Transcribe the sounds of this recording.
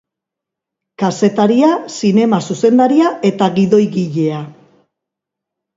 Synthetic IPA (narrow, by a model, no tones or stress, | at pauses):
kase̞t̪aɾiasine̞masuse̞nd̪aɾiae̞t̪aɣiðo̞jɣiʎe̞a